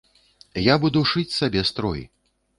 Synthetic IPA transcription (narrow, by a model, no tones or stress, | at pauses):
jabud̪uʂɨt͡sʲsabʲɛst̪ɾɔ̰jḭ